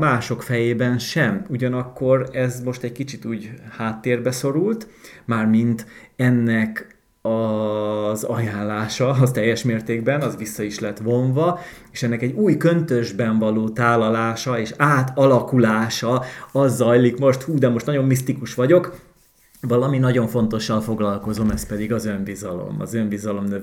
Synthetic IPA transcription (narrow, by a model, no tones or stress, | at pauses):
maːʃo̞kfɛjeːbɛnʃɛmuɟɒnɒkːo̞ɾɛzmo̞ʃt̪ɛɟkit͡ʃit̪uːɟhaːt̪ːeːrbɛso̞ɾult̪maːrmint̪ɛnːɛk | ɒ | zɒjaːnlaːʃɒɒt̪ɛjːɛʃmeːrt̪eːɡ̚bɛnɒzʋisːɒiʃlɛt̪ʋo̞ɱvɒ | eːʃɛnːɛkɛɟːuːjkønt̪øʒbɛɱvɒloːt̪aːlːɒlaːʃɒeːʃaːt̪ɒlɒkulaːʃɒɒzːɒjlikmo̞ʃt̪huːd̪ɛmo̞ʃt̪nɒɟo̞mːist̪ikuʃʋɒɟo̞k | vɒlɒminɒɟo̞ɱfo̞nt̪o̞ʃːɒlfo̞ɡlɒlko̞zo̞mɛst̪pɛd̪iɡɒzøɱbizɒlo̰mɒ̰zøɱbizɒlo̞mnø